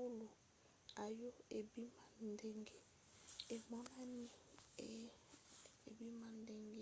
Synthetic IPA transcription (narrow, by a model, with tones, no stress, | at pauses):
u˦lo˨ | a˨jo˦e˨bi˦ma˨n˨de˦˨ŋɡe˨ | e˨ma˦ma˦ni˦˨ | e˨bi˦ma˨n˦dɛ˨ŋɡe˦˨